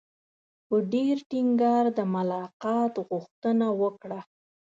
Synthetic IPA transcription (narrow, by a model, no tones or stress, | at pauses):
pəɖeɾʈiŋɡɑɾd̪əmʊlɑqɑt̪ɣʊxt̪ənawəkɽa